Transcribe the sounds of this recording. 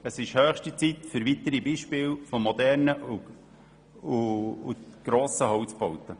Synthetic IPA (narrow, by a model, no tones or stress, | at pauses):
əsɪʃhøːχʃtit͡sit̪fʏɾʋit̪əɾibiːʃpɪːlfomɔd̪ɛɾnəʔu | uuɡ̥ɾoːsəɦɔwt͡sb̥ɔwt̪ə